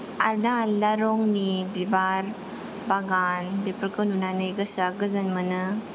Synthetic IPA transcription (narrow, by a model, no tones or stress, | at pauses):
adalaɾɔŋnibibaɾ | baɡanbipəɾkɯnunanɯjɡɯsaɡɯzanmɯnɯ